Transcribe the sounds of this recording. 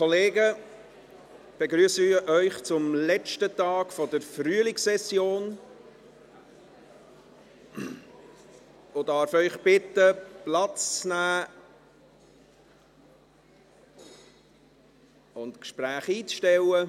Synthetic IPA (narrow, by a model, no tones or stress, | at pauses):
kʰɔleːɡə | b̥eɡɾyəsəʔœʏχt͡sʊmlɛt͡ʃtətɑːɡ̥fɔdəɾfryəlɪksɛsjoːn | odɑːɾfœʏχb̥ɪt̪əplɑt͡st͡snæː | ʊntkʃpɾæːχiːt͡sʃtɛlə